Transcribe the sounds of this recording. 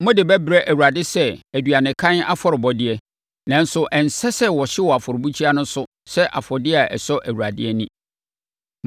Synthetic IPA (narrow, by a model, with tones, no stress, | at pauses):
mʊ̃˦dɪ˨bɛ˦bɪ˨ɾɛ˦ʔæ˨wu˨a˨dɪ˦sɛ˦æ˨dɥa˨nɪ̃˨kʰã˦n˦a̰˦fɔ˨ɾɪ˨bɔ˦dɪ˦ɛ˦ | nã˨n̩˦sʊ˦ʔɛ̃˨n̩˨sɛ˦sɛ˦wɔ˨ɕɪ˦wɔ˨a˨fɔ˨ɾɪ˨bu˦t͡ɕʰi˦a˦nʊ̃˦sʊ˦ | sɛ˦ʔa̰˨fɔ˨dɪ˦a˨ʔɛ̰˨sɔ˦ʔæ˨wu˨ɾa˨dɪ˦ɛ˦nĩ˦